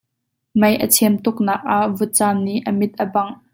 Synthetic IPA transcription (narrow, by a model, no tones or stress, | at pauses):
mɐjʔət͡sʰɛəmt̪ʊk̚nɐːk̚ʔaʔvʊt̪̚t͡saːmniʔəmɪt̪̚ʔəbɐŋ